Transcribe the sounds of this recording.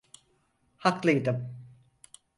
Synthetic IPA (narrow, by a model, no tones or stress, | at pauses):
haklˠɯjd̪ɯm